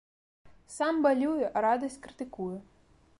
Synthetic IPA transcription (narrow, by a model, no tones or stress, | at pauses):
sambalʲujɛʔaɾad̪ɐsʲt͡sʲkɾɨt̪ɨkujɛ